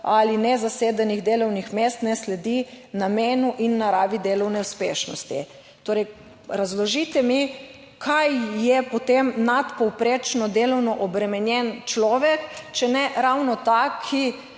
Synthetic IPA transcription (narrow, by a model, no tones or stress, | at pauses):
alinɛzaseːd̪ɛniɣd̪eːlɔwnixmeːst̪nɛslɛd̪inameːnuʔinːaɾaːʋid̪eːlɔwnɛuspḛːʃnɔ̰st̪ḭ | t̪oːɾɛj | ɾazlɔʒit̪ɛmi | kʰajjːɛpɔt̪emnat̪pɔwpɾeːt͡ʃnɔd̪elɔwnɔʔɔbɾɛmɛnjɛnt͡ʃlɔːʋɛkt͡ʃɛnɛɾawnɔt̪akʰi